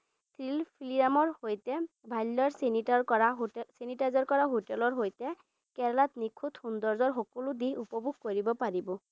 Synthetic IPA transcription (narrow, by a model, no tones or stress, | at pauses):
t̪ʰɹilpʰilijamɔɹhojtɛ | bʱajlːɔɹsenitaɹɔɹaɦsenitazɔɹkɔɹaɦotɛlɔɹɦojtɛ | kɛɹlatnikʰut̪hundɔɹzɔɹɦɔkɔlʊdiɦupɔbʱuɡ̚koɹibɔpaɹibɔ